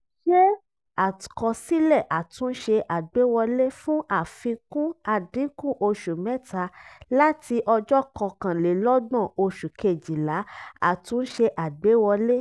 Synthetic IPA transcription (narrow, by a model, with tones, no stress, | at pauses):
ʃe˦ | a˨kɔ˧si˦lɛ˦˨ʔa˨tũ˨˦ʃe˧ʔa˨ɡ͡be˨˦wɔ˧le˦fũ˦ʔa˦˨fĩ˧kũ˦a˨dĩ˨˦kũ˦ʔo˧ʃu˨mɛ˦tʰa˧la˦ti˧ʔɔ˧d͡ʒɔ˦kɔ˧˨kã˨le˨˦lɔ˦dɔ̃˦˨o˧ʃu˨ke˨d͡ʒi˨la˨˦a̰˦˨tũ˨˦n̩˦ʃe˧ʔa˨ɡ͡be˨˦wɔ˧le˦